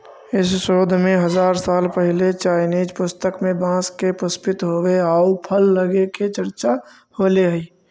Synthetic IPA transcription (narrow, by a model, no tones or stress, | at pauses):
ɪsʃoːd̪ʱmẽɦəzaːɾsaːlpəɦɪlet͡ʃaːɪniːd͡ʒpʊst̪əkmẽbãːskepʊspɪt̪ɦoweaupʰəlːəɡeket͡ʃəɾt͡ʃa | holeɦəi